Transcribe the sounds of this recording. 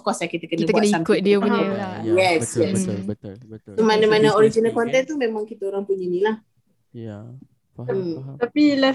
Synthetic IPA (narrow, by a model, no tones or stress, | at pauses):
kwasakit̪əkənəbənsaŋkʊt̪̚diəpuɲajɛsjɛs | somanəmanəoɾid͡ʒinalkɔnt̪ɛnt̪umemãŋkit̪əoɾaŋpuɲanilah | əmt̪apila